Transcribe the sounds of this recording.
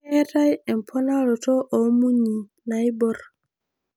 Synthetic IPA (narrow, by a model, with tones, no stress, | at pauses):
ɛta˦jɛ˨mpʰɔ˦na˦lɔ˨tɔ˦ʔɔ˨mu˦ɲi˨ | na˦jbɔɾ